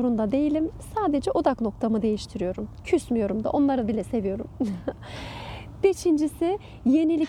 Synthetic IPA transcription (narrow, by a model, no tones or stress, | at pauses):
ɾund̪ad̪e̞jilʲimsaːd̪e̞d͡ʒɛʔo̞d̪akno̞k̚t̪ʰamɯd̪e̞jiʃt̪ʰiɾijo̞ɾumcʰysmijo̞ɾumd̪a̰ʔo̞nlˠaɾɯbilʲɛse̞vijo̞ɾum | b̥e̞ʃind͡ʒisi | je̞nilʲi